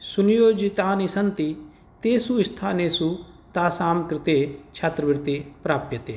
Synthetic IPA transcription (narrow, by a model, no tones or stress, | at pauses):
sʊnɪjoːd͡ʒɪt̪aːnisɐnt̪i | t̪eːsuɪst̪ʰaːneːsuː | t̪aːsaːmkɾɪt̪eːt͡ʃʰat̪ɾəʋɪɾt̪eːpɾaːpjət̪eː